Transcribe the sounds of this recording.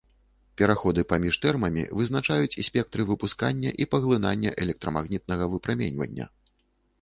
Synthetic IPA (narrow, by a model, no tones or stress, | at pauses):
pʲɛɾaxɔd̪ɨpamʲiʂt̪ɛrmɐmʲḭvɨznat͡ʂajut͡sʲisʲpʲɛk̚t̪ɾɨvɨpuskanʲːɐʔipɐɣlˠɨnanʲːɐʔɛlʲɛk̚t̪ɾɐmaɣnʲit̪̚nɐɣɐvɨpɾamʲenʲvɐ̰nʲːɐ̰